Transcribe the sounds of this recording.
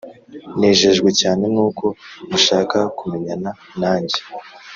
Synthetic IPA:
neːʒe̞ʒɡwe̞caːne̞nuːko̞muʃaːkakumeɲana | naːɲɟe

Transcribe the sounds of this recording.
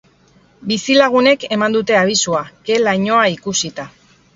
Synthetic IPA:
bisilaɣ̞une̞ke̞mand̪ut̪e̞aβ̞isuake̞lajɲo̞aikusit̪a

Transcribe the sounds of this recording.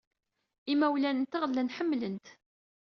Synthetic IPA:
imæwlænənt̪ɑʁəlːænħəmːlənt̪

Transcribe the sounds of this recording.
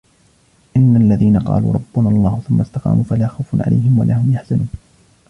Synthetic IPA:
ʔɪnːalːaðiːnaqɑ̰ːlṵːɾˤɑbːʊnalˤːɑːhʊθʊmːast̪ɑqɑ̰ːmuːfalaːxawfʊnʕa̰la̰jɦɪmwa̰lʔahʊmjaħz̥anuːn

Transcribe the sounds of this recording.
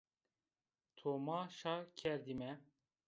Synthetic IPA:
t̪ʰomɑːʃɑːkʰɛɾd̪imɛ

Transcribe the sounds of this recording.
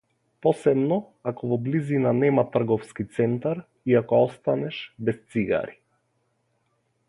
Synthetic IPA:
pɔsɛbnɔ | akɔvɔblizinanɛmat̪r̩ɡɔfskit̪sɛnt̪aɾ | iakɔɔst̪anɛʃbɛst̪siɡa̰ɾi

